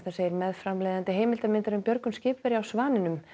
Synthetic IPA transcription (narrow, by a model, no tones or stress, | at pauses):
θasejɪɾmɛðfɾamlejðant̪ɪɦeːjmɪlt̪amɪnt̪aɾʏmpjœɾkʏnscɪːpvɛɾjawsvaːnɪnʏm